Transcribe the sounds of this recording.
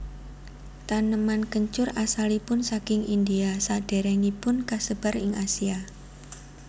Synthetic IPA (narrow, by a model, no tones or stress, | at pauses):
t̪anəmankəɲt͡ʃʊrasalipʊnsakɪŋʔind̪iasad̥e̤ɾɛnipʊnkasəb̥a̤rɪŋasia